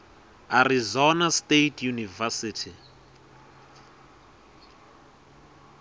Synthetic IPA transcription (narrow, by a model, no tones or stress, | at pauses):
arizɔnastetʰjunivasitʰi